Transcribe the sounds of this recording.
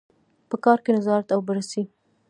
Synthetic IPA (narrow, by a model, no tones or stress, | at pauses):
pəkɑɾkenazɑɾat̪awbəɾasi